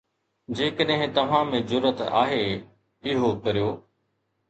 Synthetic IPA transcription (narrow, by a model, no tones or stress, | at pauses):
d͡ʑeːkəɗɦɪ̃t̪ɐʋ̤ãmẽzʊɾət̪a̰ːɦe | ɪɦokɐɾijoː